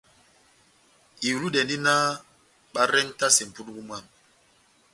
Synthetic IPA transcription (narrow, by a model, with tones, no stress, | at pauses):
i˨wu˨lu˦ɗɛ˨ndi˦na˦ | ɓa˦ɾɛ˦nta˦sɛ˨m̩˨pu˦tku˦m˦a˦˨m